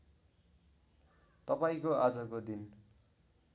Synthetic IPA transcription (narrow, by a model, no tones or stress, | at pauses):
t̪ʌpaĩkoad͡zʌkod̪in